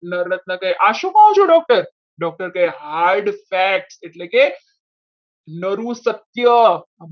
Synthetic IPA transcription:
nəɾət̪̚nəkajʔaʃukaɦũt͡ʃʰoɖɔk̚ʈəɾ | ɖɔk̚ʈəɾkajɦaɾɖfæk̚ʈseʈlẽke | nəɾusət̪jə

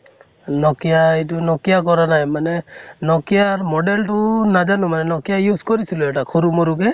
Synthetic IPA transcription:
nɔkijaitunɔkijakɔɾanajmanɛnɔkijaɾmɔɖɛlʈunad͡ʒanumanɛnɔkijajuskɔɾisiluɛʈakʰuɾumɔɾukɛ

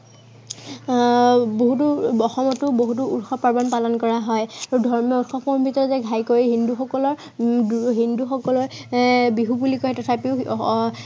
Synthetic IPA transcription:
boɦutuɔxɔmɔtʊboɦut̬uutxɔpaɹbɔnpalɔnkɔɹaɦɔjaɹudʱɔɹmjɔutxɔpɔmbʱitɔɹɔzɛɡʱajkoɹiɦinduxɔkɔlɔɹ | ɦinduxɔkɔlɔɹbiɦubulikɔɦɛtɔtʰapiʊ

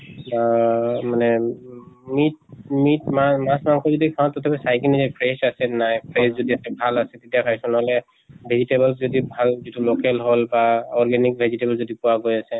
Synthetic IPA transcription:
bamanɛ | mit̚mitmamãsmaŋkʰɔzɔdikʰãtɔtʰɛbʰɔsajkinizɛpʰɹesasɛnajpʰɹeszɔdiasɛbʱalasɛtetijakʰajsɔ̃nɔɦɔlɛ | bʱezitebɛlszɔdibʱalzitulokɛlɦolbaɔɹɡɛnik̚bʱezitebɛlzɔdipʊwaɡojasɛ

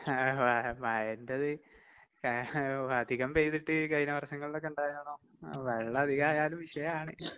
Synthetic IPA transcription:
amajɐndeðɨ | ɐd̪ʱiɣɐmpejt̪iʈːɨkɐðinɐʋɐrʂɐŋːɐɭilokːeuɳɖaːjɐɳoː | ʋeɭːɐɐd̪ʱiɣaːjaːlumʋiʂɐjɐaːɳɨ

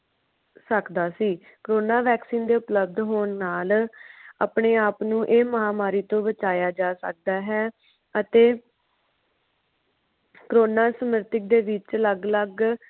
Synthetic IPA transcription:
səkd̪aːsiː | kɾoːnaːʋɛːksiːnd̪eːʊpləb̚d̪ɦoːnːaːla̰ːpɳeːaːpnũːʔeːməɦaːmaːɾiːt̪õːbət͡ʃaːjaːd͡ʒaːsə̰k̚d̪aːɦɛː | ət̪eː | kəɾoːnaːsəmɪɾt̪ɪk̚d̪eːʋɪt͡ʃləɡləɡ

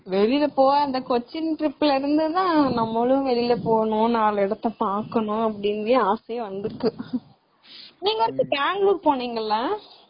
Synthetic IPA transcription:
ʋɛɾɪlɐpoːɐnd̪ɐkɔt͡ʃːɪnʈɾɪpːɪlɪɾɯnd̪ɯt̪ãːnɐmːɐɭɯ̃ʋɛlɪlɐpoːɳʊ̃naːlɐɪɽɐt̪ːɐpaːɾkɐɳʊ̃ɐpːɐɽɪnʋeaːsɐjʋɐnd̪ɾɯkːɯ | niːŋɡɐʋɐɾɯk̪ːɯbaːŋɡluːɾpoːɳiːŋɡɐlːɐ

